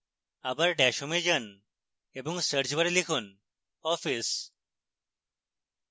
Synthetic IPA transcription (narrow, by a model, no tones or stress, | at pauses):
abaɾɖɛʃumed͡ʒən | ebɔŋsəɾd͡ʑbɐɾelikʰun | ɔfis